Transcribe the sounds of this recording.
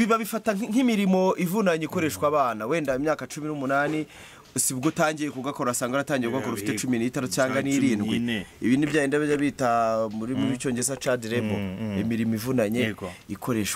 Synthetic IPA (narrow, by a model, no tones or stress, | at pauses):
βiβaβifataŋ̥imiɾimo̞ivunaɲeiko̞ɾe̞ʃkwaːβaːnawe̞ːndaimɲaːkat͡ʃuminumunaːni | siβɡotaːɲɟijekuɡakoɾuasaːŋɡaoataːɲɟiɾeɡakoɾufi̥tet͡ʃuminiːtaɾut͡ʃaːŋɡaniɾiːnɡwḛiβiːnivjaːjiːndaβijaβitamuɾimuβit͡ʃo̞ːɲɟes̬at͡ʃadiɾebo̰imiɾimoivunaɲe̞ikʰo̞ɾe̞ːʃwa